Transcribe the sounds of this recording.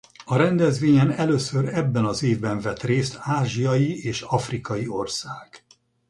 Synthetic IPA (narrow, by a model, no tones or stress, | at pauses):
ɒɾɛnd̪ɛzʋeːɲɛnɛløːsøɾɛbːɛnɒzeːvbɛɱvɛt̪reːst̪aːʒijɒjieːʃɒfrikɒjio̞rsaːɡ̥